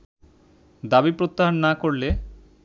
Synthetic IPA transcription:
d̪abipɾot̪ːaɦanːakoɾle

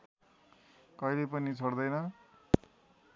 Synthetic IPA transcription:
kʌjlepʌnit͡sʰʌɽd̪ʌjnʌ

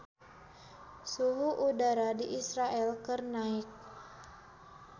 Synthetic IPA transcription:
suɦuʔudaɾadiʔisɾaʔɛlkɨrnaik̚

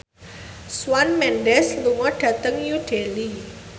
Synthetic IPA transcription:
swanmɛnɖɛsluŋɔɖ̥ä̤t̪əŋjud̥eli

